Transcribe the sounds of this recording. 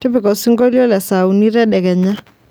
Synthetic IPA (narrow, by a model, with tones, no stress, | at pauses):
tɪ˦bɪ˨kɔ˨sɪ˦ŋɡɔ˦ljɔ˦lɛ˨sa˨u˨ni˦ɾɛ˦ɗɛ˨kɛ˨ɲa˦